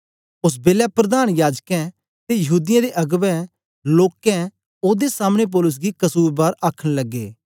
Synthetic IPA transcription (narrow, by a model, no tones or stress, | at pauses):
ʊs̬beːlapɾɐd̪aːñjaːd͡ʒkɛ̃ | t̪ejɐɦuːd̪ɪjãd̪eʔɐɡʋɛ̃ | loːkɛ̃ | oːd̪esaːmɽ̃ep̬ɔːlʊs̬ɡikɐsuːɾbaːɾaːkʰəɽ̃lɐɡːḛː